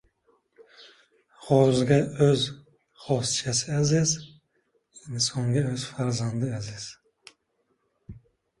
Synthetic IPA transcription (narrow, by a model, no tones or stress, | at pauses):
ʁɔzɡʲaøz | χɔst͡ʃʰasɪaziz | insɔŋɡaøz̥faɾzand̪ɪaziz̥